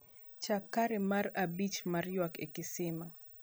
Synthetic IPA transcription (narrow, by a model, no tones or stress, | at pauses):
t͡ʃakaɾɛmarabit͡ʃmarjɔkḛkɪsɪma